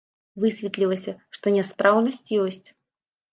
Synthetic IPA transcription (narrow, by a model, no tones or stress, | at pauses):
vɨsʲvʲit̪lʲilˠɐsʲɐʂt̪ɔnʲɛspɾawnɐsʲt͡sʲjɔsʲt͡sʲ